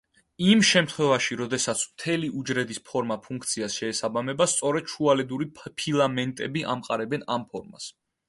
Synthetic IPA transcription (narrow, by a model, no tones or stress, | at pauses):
imʃɛmt̪ʰχwɛvaʃiɾɔd̪ɛsat̪sʰmt̪ʰɛliʔud͡ʒɾɛd̪ispʰɔɾmapʰuŋkʰt̪sʰiasʃɛːsabamɛbast̪sʼɔɾɛd̪̥ʃualɛd̪uɾipʰilˠamɛnt̪ʼɛbiʔamqʼaɾɛbɛnampʰɔɾma̰s